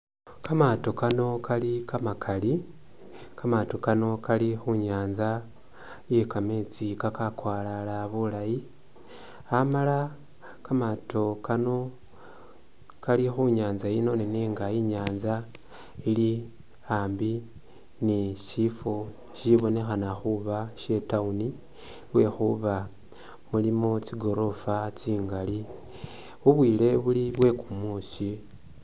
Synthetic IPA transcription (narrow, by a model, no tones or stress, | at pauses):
kamato̞kano̞kʰalikamakʰali | kamato̞kano̞kalixuɲaːnza | jekamet͡sikakakwaːlalaβulaji | amala | kamatʰo̞kano̞ | kalixuɲaːnzaino̞neniːŋɡaiɲaːnza | ili | aːmbi | niʃifo̞ | ʃiβo̞ne̞xanaxuβaʃe̞tauni | βwe̞xuβa | mulimot͡siɡo̞ɾo̞fat͡siːŋɡali | uβwiːle̞βuliβwe̞kumusi